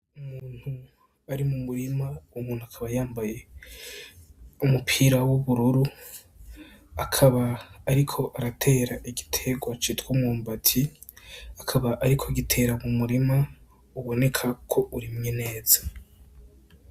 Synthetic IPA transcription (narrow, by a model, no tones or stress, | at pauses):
umuːn̥hu | aɾimumuɾimaumuːn̥huakʰaβajaːmbaje̞ | umupʰiːɾawoβuɾuɾu | akʰaβaːɾikʰo̞ʔaɾatʰe̞ːɾaʔiɡitʰeɡwat͡ʃitwumŋuːmbatʰi | akʰaβaʔaɾikʰo̞ɡitʰe̞ɾamumuɾima | uβo̞ne̞kʰakʰo̞ʔuɾimŋene̞ːz̥a